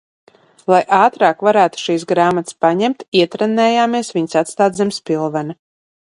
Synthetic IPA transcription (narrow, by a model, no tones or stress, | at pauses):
lˠajʔaːt̪ɾaːkvaɾæːt̪u̥ʃiːsɡɾaːmat̪spaɲɛmt̪iɛt̪ɾɛnːɛːjaːmiɛsviɲsat̪st̪aːd̪zɛmspʲilˠvɛna